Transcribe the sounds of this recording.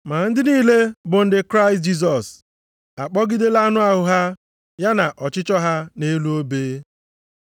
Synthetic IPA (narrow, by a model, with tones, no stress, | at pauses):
ma˨n̩˦dɪ˦niː˦le˦bʊ˨n̩˦dɪ˦kɾa˦ɪ˨st̚d͡ʒi˦s̬ɔ˨s | a˨k͡pɔ˦ɡɪ˦de˦la˦nʊ˦a˦ɦʊ˨ɦa˦ | ja˦na˨ʔɔ˨t͡ʃɪ˦t͡ʃɔ˦ɦa˦ne˦lu˦o˦beː˦